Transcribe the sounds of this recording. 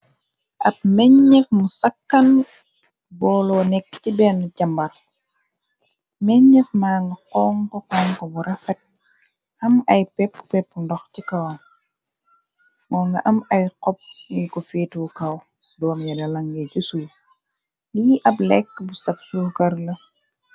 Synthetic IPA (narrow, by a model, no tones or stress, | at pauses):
ʔɐp̚mɛɲɲːɛfmusɐkːɐn | bɔːlɔːnɛkːtibɛːnuɟɐmbɐr | mɛɲɲɛfmaːŋɡɐqɔːŋkɔqɔːŋkɔbuɾʔɐfɛt̚ | ʔɐmɐjpɛpːpɛpːundɔxcikɐwɐn | mɔːŋɡɐʔɐmɐjqɔp̚nikɔfiːtuwkɐw | dɔːmjɐdɐlɐŋɡɛɟusuj | liʔɐplɛkːbusɐpsukɐɾlɐ